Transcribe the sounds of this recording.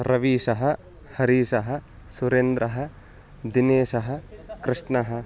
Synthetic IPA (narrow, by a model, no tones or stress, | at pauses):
ɾɐʋiːʂɐɦɐ | hɐɾiːʃɐɦɐ̆ | suɾend̪ɾɐɦɐ̆ | d̪ineːʃɐɦɐ̆kɾɪʂɳɐɦɐ